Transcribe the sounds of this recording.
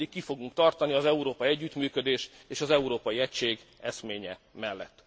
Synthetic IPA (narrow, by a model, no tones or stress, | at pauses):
ikːifo̞ɡuŋkt̪ɒrt̪ɒniɒzɛuɾoːpɒiɛɟːyt̪myːkød̪eːʃt̪eːʃɒzɛuɾoːpɒjiɛcʃeːɡ | ɛsmeːɲɛmɛlːɛt̪ː